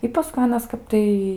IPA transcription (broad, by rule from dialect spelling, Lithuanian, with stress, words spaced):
ɪ pɐˈskʊɪ ˈɑːnɐs ˈkɐp tɐɪ